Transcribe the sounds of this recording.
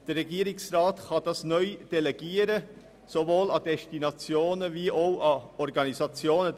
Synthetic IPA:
d̥əɾːɛɡiəɾiksrɑːtχɑd̥ɑsnœʏd̥ɛlɛɡ̥iəɾə | sovoːlɑd̥̪ɛʃtinɑt͡sjoːnəviʔowʔɑɔɾɡɑnizɑt͡sjoːnə

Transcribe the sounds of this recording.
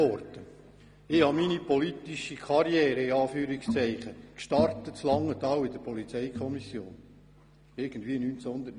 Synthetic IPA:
ɔɾt̪ə | ɪhɑminipɔlit̪iʃikʰɑɾjɛːɾəɪɑːfyːɾikst͡sɛɪχəkʃtɑrt̪ətt͡slɑŋːət̪ɑːwɪd̥̪əɾpɔlit͡sɛɪkʰɔmisjo̰ːn | ɪɾɡ̥ən̩d̥̪viːənyːnt͡shʊnd̪ət

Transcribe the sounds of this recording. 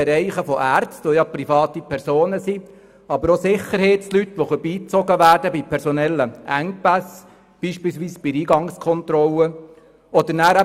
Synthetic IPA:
ɛɾɛɪχəfɔʔæːɾt͡stʋɔjɑpɾifɑːt̪ipʰɛɾsoːnəsi | ɑbəɾɔsɪχəɾhɛɪtt͡slyt̪ʋɔfəɾb̥iːt͡sɔɡəʋæːɾdəbipʰɛɾsɔnɛlːəʔæŋ̚pæs | b̥iːʃpiːlsʋiːsb̥iɾiːɡɑŋskʰɔnt̪ɾɔlə | ɔd̥̪əɾnæːɾæ

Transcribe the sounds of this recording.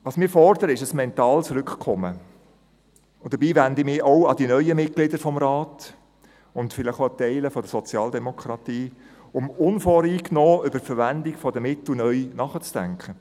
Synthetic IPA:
ʋɑːsmɪːɾfɔrd̪əɾəɪʃəsmɛnt̪ɑːlsɾʏkχkʰɔmə | ʊd̥əɾbiːʋænd̪imɪoʊɑdinœʏəmɪt̚klɪdəɾfɔmɾɑːt | ʊntfɪləχoɑt̪ɛɪləfɔd̥̪əsɔt͡sjɑːld̪ɛmɔkʰχɾɑt̪iː | ʊmʊnfoːɾiːknoːʏbəfəɾʋænd̪ɪɡfɔdəmɪt̪l̩nœʏnɑχət͡sd̥æŋkχə

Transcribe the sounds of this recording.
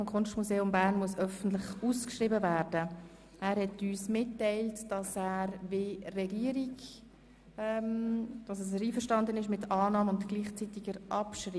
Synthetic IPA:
fɔmkʰʊnʃtmuzeːʊmbæːɾnmuəsœfən̩tlɪχuːskʃriːbəvæːɾdə | æːɾhɛtyːsmɪtːɛɪltd̥ɑsæːɾverɛɡiːəɾiɡ | ɛmd̥ɑsɛs̬əɾiːfəʃtɑndənɪʃmɪtɑːnɑːməʊndɡ̥liːχt͡sitɪɡəɾʔɑpʃri

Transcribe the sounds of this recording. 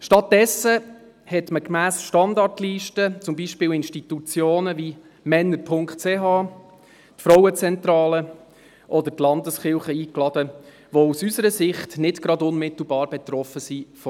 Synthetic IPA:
ʃtɑt̚d̥ɛsə | hɛtməkmæːsʃtɑndɑrtliːʃtət͡sʊmbiʃpɪːlɪnʃtit̪ut͡sjoːnəvi | mɛnːəɾpʰʊŋkχtt͡seɦɑː | tfɾɔwət͡sɛnt̪ɾɑːlə | ʔɔd̪əɾtlɑndəsχɪlˠχəiːklɑd̥ə | ʋousysəɾəsɪχtnɪtɡ̥ɾɑdʊnmɪt̪l̩ˠbɑːɾb̥ɛt̪rɔfəsif

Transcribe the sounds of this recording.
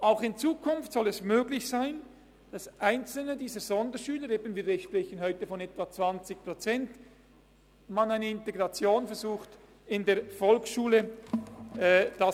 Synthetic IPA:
aʊxɪnt͡suːkʰʊnftsɔlɛsmøːɡlɪçsaɪn | d̥ɑsʔaɪnt͡sl̩nədiːzəɾz̥ɔndəɾʃyːləɾeːbən̩viːɐɾɛʃpʁɛçənhɔʏtəfɔnɛtv̥at͡sv̥ɑnt͡sɪçpʁot͡sɛnt | manaɪnəɪnteɡʁɑt͡sjoːnfɛɾzuːxt | ɪndeːɐfɔlksʃuːlə | ɛd̥a

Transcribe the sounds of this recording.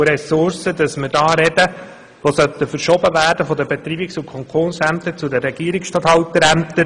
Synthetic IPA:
ɾɛsʊɾsədɑsməɾdɑːɾɛdə | ʋosœt̪ːəfəɾʃoːbəvæːɾdəfɔd̪əbɛt̪ɾiːbiksʊkʰɔŋkoːnsæmt̪ət͡sudəɾɛɡ̥iːəɾɪksʃtɑt̪hɑwt̪əɾæmt̪ə

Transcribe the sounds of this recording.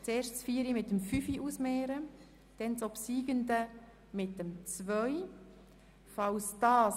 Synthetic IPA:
t͡seːɾʃt͡sfiːəɾimɪtːəmfyfiʔusmeːɾə | d̥ɛnt͡sopsiːɡəndə | mɪt̚ːəmt͡svœʏ | fɑwsd̥ɑːs

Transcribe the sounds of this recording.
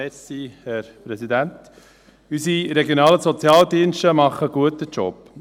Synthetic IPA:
ɛsihɛɾpɾɛsidænt | ysiɾɛɡjonɑːləsɔt͡sjɑːldiənʃtəmɑχəɡ̥uətət͡ʃɔ̰p

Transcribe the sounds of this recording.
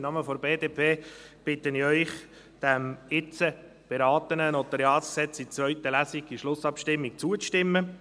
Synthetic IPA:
nɑməfɔɾbeːdeːpʰeːb̥ɪt̪əniœʏχ | d̥æmɪt͡sə | b̥eɾɑːt̪ənənɔt̪əɾjɑːsksɛt͡sit͡svœʏtəlæsiɡiʃlʊsɑpʃtɪmːik̚t͡suət͡sʃtɪmːə

